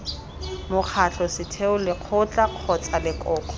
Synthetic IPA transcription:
mʊq͡χʰaɬɔsɪtʰeʊlɪq͡χʰʊt͡ɬʼaq͡χʰɔt͡sʼalɪkʼɔːkʼɔ̥

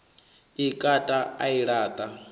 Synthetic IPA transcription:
ikʼatʼaaiɺaːt̪ʼa

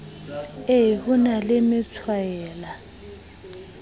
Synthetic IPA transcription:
eɦik̬unalɪmɪt͡sʰwajɛːla

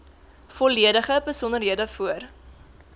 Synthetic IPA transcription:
fɔliədəχəbəsɔnərɦiədəfuər

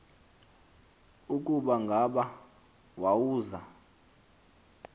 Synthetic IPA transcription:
ukʼuɓaŋɡʱaɓa | wawuːza

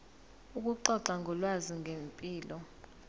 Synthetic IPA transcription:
uk̬ʼuǃɔǀaŋʱɔlwaziŋʱempʼiːlɔ

